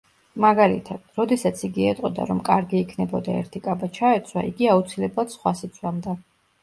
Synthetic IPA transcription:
maɡalḭt̪ʰad̪̥ɾɔd̪ɛsat̪sʰiɡiɛt̪ʼqʼɔd̪a̰ɾɔmkʼaɾɡiːkʰnɛbɔd̪aɛ̰ɾt̪ʰikʼabat͡ʃʰaɛt̪sʰwa̰ḭɡiaut̪sʰilɛblˠad̪̥sχwasit̪sʰwamd̪a

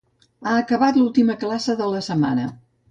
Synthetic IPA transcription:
aəkəβat̪lulˠt̪iməklasəðələsəma̰nə

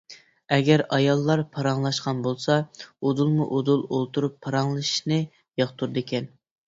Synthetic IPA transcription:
ɛɡʲɛɾɑjɑlˠːɑɾpʰɑɾɑŋlˠɑʃqɑnbolˠsɑod̪ulˠmuʔod̪ulˠolˠt̪ʰuɾupʰːɑɾɑŋlˠɨʃi̥ʃnɨ | jɑχt̪ʰuɾd̪ɪkʲʰɛn

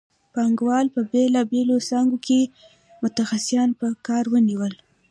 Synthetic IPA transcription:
pɑŋɡwɑlpəbelɑbelosɑŋɡokʰe | mʊt̪axasjɑnpəkɑɾwəniwəl

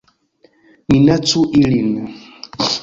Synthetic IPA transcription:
minatuʔilina

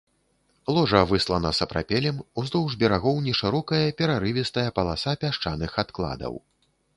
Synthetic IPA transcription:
lˠɔʐɐvɨslˠɐnɐsɐpɾa̰pʲɛlʲɛmuzd̪ɔwʐbʲɛɾaɣɔwnʲɛʂɨɾɔkɐjɐpʲɛɾaɾɨvʲɛst̪ɐjɐpɐlˠasapʲaʂt͡ʂanɨxat̪klˠa̰d̪ɐ̰w

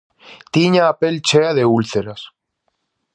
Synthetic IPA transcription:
t̪iɲaːpelt͡ʃeaðeulθeɾas

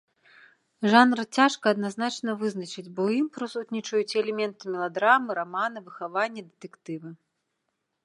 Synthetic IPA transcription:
ʐanɾɨt͡sʲaʂkɐːd̪naznat͡ʂnɐvɨznɐt͡ʂɨd͡zʲbɔwjimpɾɨsut̪ʲnʲit͡ʂɐjut͡sʲɛlʲɛmʲɛnt̪ɨmʲɛlˠad̪ɾamɨɾamanɨvɨxavanʲːɐd̪ɨt̪ɛkt̪ɨvɨ

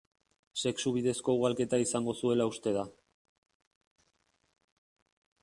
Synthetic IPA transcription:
se̞ksuβ̞iðe̞sko̞uɣalke̞t̪aisaŋɡo̞sue̞laust̪e̞ð̞a

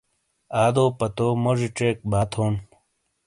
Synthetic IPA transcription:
aːd̪oːpɐt̪oːmoʐiʈ͡ʂeːk̚baːt̪ʰoːn

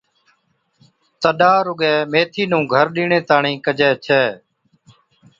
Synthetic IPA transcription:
t̪əɗaːɾʊɡɛːmeːt̪ʰiːnũːɡʱəɾɗiːɳẽːt̪aːɳĩːkəd͡ʒɛːt͡ʃʰɛː

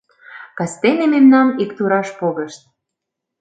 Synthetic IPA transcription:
kɑst̪enememnɑnikt̪uɾɑʃpoɣə̆ʃt̪̚

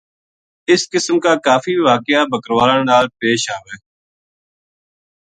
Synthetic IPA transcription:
ɪskɪsmkaːkaːfiːʋaːkɪjaːbʱəkəɾʋaːɾãːnaːlpeːʃaːʋeː

